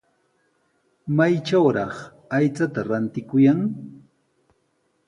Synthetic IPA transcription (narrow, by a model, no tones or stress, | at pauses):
majt͡ʃawɾɑχ | ajt͡sat̪aɾant̪ɪkʊjaŋ